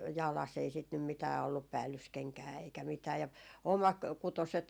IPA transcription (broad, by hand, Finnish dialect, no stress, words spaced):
jɑlɑsː ei sit nym mitæː olːup pæːlːyskeŋkæː eikæ mitæː jɑ omɑkutoset